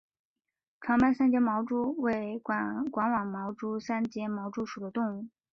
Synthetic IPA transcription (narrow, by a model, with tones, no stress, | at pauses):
ʈ͡ʂʰɑ˧˥ŋpa˥nsa˥nt͡ɕjɛ˥nmɑ˧˥ʊʈ͡ʂu˥we˥˩ɪkwa˧˥nwɑ˨˩ŋmɑ˧˥ʊʈ͡ʂu˥sa˥nt͡ɕjɛ˥mɑ˧˥ʊʈ͡ʂu˥ʂu˨˩d̪ə˦t̪ʊ˥˧ŋu˥˩